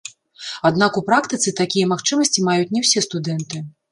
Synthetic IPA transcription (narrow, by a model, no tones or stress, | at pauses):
ad̪nakupɾakt̪ɨt̪sɨt̪akʲijɐmaxt͡ʂɨmɐsʲt͡sʲimajut͡sʲnʲɛwsʲɛst̪ud̪ɛnt̪ɨ